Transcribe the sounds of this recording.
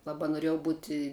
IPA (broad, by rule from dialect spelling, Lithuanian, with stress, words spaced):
ˈlˠɑːbɐ noːˈrʲiɛjɛʊ ˈbʊtʲɪ